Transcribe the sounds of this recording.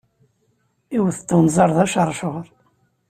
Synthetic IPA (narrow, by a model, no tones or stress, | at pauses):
iwθə̥t̪ːənzˤɑɾˤðæʃəɾˤʃoʁɾˤ